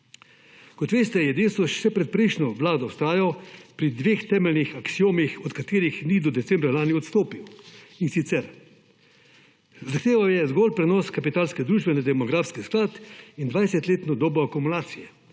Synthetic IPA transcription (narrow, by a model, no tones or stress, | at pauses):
kɔt̪ʋeːst̪ɛjɛd̪eːst̪ɔʃsɛpɾɛt̪̚pɾɛjʃnɔʋlaːd̪ɔwst̪aːjapɾid̪ʋeːxt̪ɛːmɛlnixaksioːmixɔt̪kat̪eːɾixnid̪ɔd̪ɛtsɛmbɾalaːniɔt̪st̪oːpiwinsit̪sɛɾ | zaxt̪eːʋawjɛzɡɔlpɾɛnɔːskapit̪aːlskɛd̪ɾuːʒbɛnad̪ɛmɔɡɾaːfskisklaːt̪ind̪ʋajsɛt̪leːt̪nɔd̪oːbɔakumulaːt̪sijɛ